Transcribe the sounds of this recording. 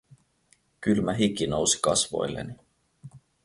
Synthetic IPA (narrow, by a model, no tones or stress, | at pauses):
kylmæɦikːino̞wsi̥kɑsvo̞̰jlːḛni